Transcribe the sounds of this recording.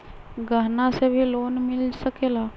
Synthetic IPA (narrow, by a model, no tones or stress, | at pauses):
ɡəɦnasebʱiloːnmɪlsəkeːla